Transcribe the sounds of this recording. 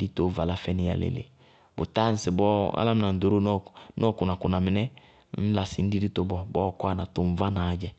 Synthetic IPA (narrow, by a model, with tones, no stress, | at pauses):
di˦to˦va˨la˦fɛ˦nɪ˨ja̰˨lḛ˨lḛ˨ | bʊ̰˨ta˦n̩˦sɪ˨bɔ˦a̰˦la˦m˦na˨n̩˨do˨ɾo˦nɔ˦˨kʊ˨na˨kʊ˨na˨mɪ˨nɛ˦ | n̩˦la˨sɪ˨n̩˦di˦di˦to˦bɔ˦bɔ˦˨kwa˦na˨tʊ˨m˨va˦na˨˦d͡ʒɛ˦